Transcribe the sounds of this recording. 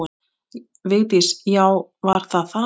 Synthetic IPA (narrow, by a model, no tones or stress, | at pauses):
ɪn | veːjt̪ɪsjawvaɾ̥θaðθa